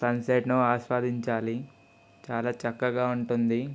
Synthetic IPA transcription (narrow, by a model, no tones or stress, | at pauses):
sɐnseːʈnuaːʃʋaːd̪ʱiɲt͡ʃaːli | t͡ʃaːlaːt͡ʃɐkːɐɡaːuɳʈund̪i